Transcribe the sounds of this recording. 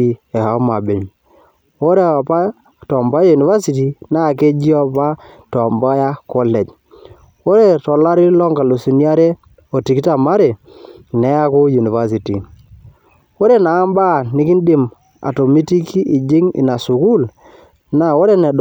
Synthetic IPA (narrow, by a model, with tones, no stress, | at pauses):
i˨ɛ˨ha˨˦ma˨be˨ɲ | wo˦ɾe˦˨a˨pa˦ | tɔ˨mba˦ja˦ju˨ni˨va˦si˨ti˨na˦˨k̬e˦d͡ʒi˦ɔ˦pa˦ | tɔ˨mba˦ja˦kɔ˦lɛ˨d͡ʒ | wo˦ɾe˦˨tɔ˨la˦ɾi˦lɔ˦ŋɡa˨lo˨si˨nja˦ɾe˦ | o˨ti˨ki˦ta˨ma˦ɾe˨ | nɛ˦a˦kʊ˦ju˨ni˨va˦s̬i˨ti˨ | o˦ɾe˦˨naː˨˦mba˦˨nɪ˦ki˦ndɪ˨m | a̰˨to˨mi˦ti˦ki˦i˨d͡ʒɪ˦ŋḭ˨na˨su˨ku˦l | na˨wo˦ɾe˦nɛ˨d